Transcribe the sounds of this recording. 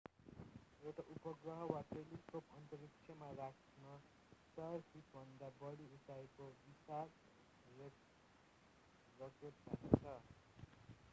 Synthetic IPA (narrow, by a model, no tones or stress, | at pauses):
ewʈaʔupʌɡrʌɦʌwat̪elikopʌnt̪ʌɾikt͡ʃʰjʌmarakʰ | nʌ | sʌrsʰit̪bʱʌnd̪abʌɽiutaekobisar | rek | ɡʌtet̪̚ba̰ket͡sʰʌ